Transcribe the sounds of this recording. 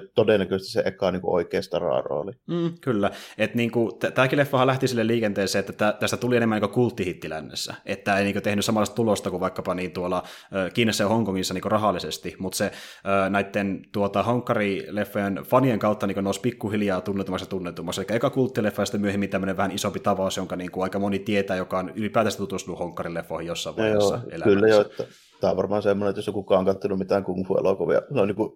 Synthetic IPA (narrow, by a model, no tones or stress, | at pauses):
t̪odenːˑækøsest̪iseʔekɑˑniːŋkuʔoikeːst̪ɑrɑ̰ro̰ːlim̩ːkylːæet̪niːŋkut̪æt̪æːkilefːɑhɑlæht̪isilːelliːkent̪eːseːet̪ːæt̪æt̪æst̪æt̪ulienemæniːkøkult̪ːihit̪ːilæ̰nːḛsːæ̰ʔet̪tːæːeiniːŋkøt̪ehnyssɑmɑlːˑɑst̪ɑt̪ulost̪ɑkuʋʋɑikːɑpɑniːnt̪uolɑøːkiːnesːæjhoŋkoŋːisːɑniːŋkørɑɦɑlːˑisest̪imut̪seøːnæit̪ːent̪uot̪ɑhoŋkːɑrilefːojenfɑnieŋkɑut̪ːɑniŋkønoˑuspikːuhiljɑːt̪unːet̪umɑksɑt̪unːet̪ːumːɑkselikːæjokɑkult̪ːilefːɑjɑst̪æmyøhemːint̪æmːøneʋʋæhænisompit̪ɑʋɑˑusjoŋkɑniːŋkuɑikɑmonit̪iet̪æːjokɑonylipæːt̪æˑst̪æt̪ut̪ust̪unuhoŋkːɑrilefːohijosːɑˑiʋɑjheoːsɑ̰ʔḛlæ̰kylːæjoet̪ːæ | t̪æːʋɑrmɑːnsemːonenet̪josoŋkukɑːŋkɑt̪ːɑnummit̪æːŋkuŋhuḛlokuʋḭɑ̰neonniːŋku